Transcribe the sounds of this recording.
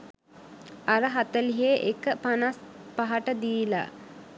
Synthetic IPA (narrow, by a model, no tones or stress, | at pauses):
aɾəɦat̪əliɦeʔekəpanaspaɦaʈəd̪iːla̰